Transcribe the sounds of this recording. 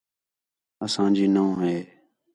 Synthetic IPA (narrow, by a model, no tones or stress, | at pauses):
əsãːd͡ʒiːnəũːɦeː